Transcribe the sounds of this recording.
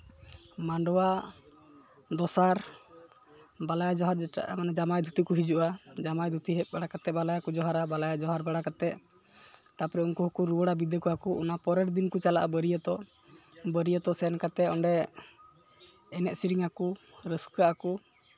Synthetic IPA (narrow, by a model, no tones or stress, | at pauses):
maɳɖɔwa | d̪ɔsaɾ | balajad͡ʒɔɦaɾd͡ʒɛʈa̰ʔamanad͡ʒamajd̪ʱut̪ikɔɦid͡ʒuʔad͡ʒamajd̪ʱut̪iɦɛbaɽakat̪ɛbalajakud͡ʒɔɦaɾabalajad͡ʒɔɦaɾbaɽakat̪ɛʔ | t̪apɾɛunkuɦukuɾuwəɽabid̪əkɔakuʔṵnapɔɾɛɾd̪inkut͡ʃalaʔa̰bəɾijət̪ɔ | bəɾijət̪ɔsɛnkat̪ɛɔɳɖɛ | ɛnɛʔ̪siɾiŋakuɾəskaʔaku